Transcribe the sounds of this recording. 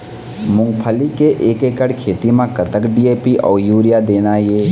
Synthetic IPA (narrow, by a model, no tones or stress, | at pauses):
mʊ̃ŋɡpʰəlikeʔeːkeːkəɽkʰeːt̪imãkət̪əkɖiːeːpiʔɔ̰ːɾjuːɾjad̪eːnajeː